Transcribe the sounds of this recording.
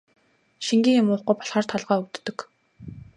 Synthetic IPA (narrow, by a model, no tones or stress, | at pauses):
ʃiŋɡʲiːŋʊmʊːχɡujpɔ̥ɮχaːr̥t̪ʰɔɮʁaːuk̚t̪ːɵ̆k